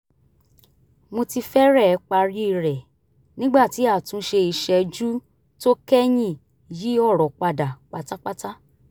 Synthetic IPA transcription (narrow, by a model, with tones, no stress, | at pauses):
mo˧ti˧fɛ˦ɾɛ˦˧˦k͡pa˧ɾi˦i˦˧ɾɛ˨ | nĩ˦ɡ͡ba˦˨ti˨˦a˦˨tũ˨˦ʃe˧i˧ʃɛ˧d͡ʒu˦ | to˦kɛ˦j̃ĩ˦˨ | ji˨˦ɔ˦˨ɾɔ˨k͡pa˧da˨k͡pa˧ta˦k͡pa˦ta˦